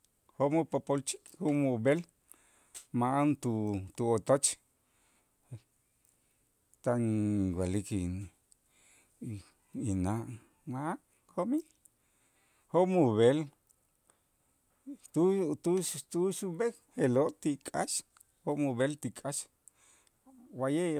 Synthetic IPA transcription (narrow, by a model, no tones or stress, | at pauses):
homupopolt͡ʃi̥homubel | maant̪ut̪uot̪ot͡ʃ | e | t̪aŋɡalikin | inaʔ | maa | komi | homuβel | t̪ut̪ut̪uʃube | helot̪ikʼa̰ʃ | homuβelt̪ikʼaʃ | waje